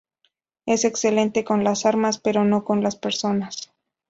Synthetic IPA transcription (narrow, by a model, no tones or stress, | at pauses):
e̞se̞kse̞le̞nt̪e̞ko̞nlasaɾmaspe̞ɾo̞no̞ko̞nlaspe̞ɾso̞nas